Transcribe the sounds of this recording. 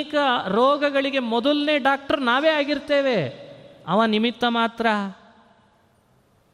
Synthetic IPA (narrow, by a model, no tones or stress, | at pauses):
kɐɾɔːɡɐɡɐɭiɡe̞mɔd̪ɐlneːɖaːk̚ʈɐɾnaːʋeːaːɡiɾt̪eːʋe̞ɐʋaːnimit̪ːɐmaːt̪ɾɐ